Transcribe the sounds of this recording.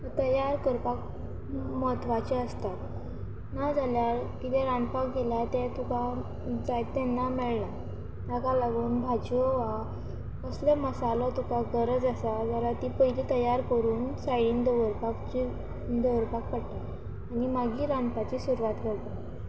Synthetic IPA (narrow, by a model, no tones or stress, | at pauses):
ət̪əjaɾkəɾpak̚ | mɔt̪ʋat͡ɕeəst̪a | nad͡zaljaɾkit̪ɛɾanpakɡʱeljat̪ɛt̪uka | d͡zajt̪ɛnːamɛɭla | t̪akalaɡuːnbʱad͡ʑɔʋa | əsleməsalɔt̪ukaɡəɾəd͡zasad͡ʑalat̪ipəiliːt̪əjaɾkəɾuːnsajɽiːnd̪əʋəɾpakt͡ɕi | d̪əʋəɾpak̚pəɽt̪a | animaɡiːɾanpat͡ɕiːsuɾuʋat̪kəɾt̪a